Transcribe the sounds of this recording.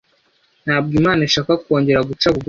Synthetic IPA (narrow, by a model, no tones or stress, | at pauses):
n̥haːb̚ɡimaːnaʃaːkako̞ːɲɟe̞ɾaɡut͡ʃakuɡu